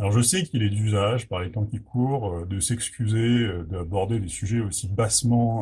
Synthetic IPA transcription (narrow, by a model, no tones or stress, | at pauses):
alɔʁʒəsɛkʲilɛd̪yzaʒpaʁlet̪ɑ̃kʲikʰuːʁød̪əsɛkskʲyzeød̪abɔʁd̪ed̪esyʒɛosibasmɑ̃